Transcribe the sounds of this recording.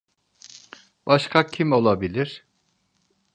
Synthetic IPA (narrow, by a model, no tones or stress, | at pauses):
b̥aʃkʰacʰimo̞lˠabilʲiɾ̥